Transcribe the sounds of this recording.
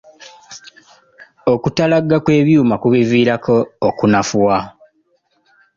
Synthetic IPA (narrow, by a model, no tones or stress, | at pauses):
okutalaɡːakwe̞ːβjuːmakuβiviːɾakʰoːkunafuwa